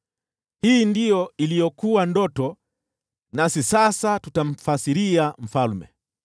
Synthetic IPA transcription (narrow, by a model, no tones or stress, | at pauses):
hiːndijɔilijɔkuwandɔtɔ | nasisasatutam̩fasiɾiam̩falmɛ̰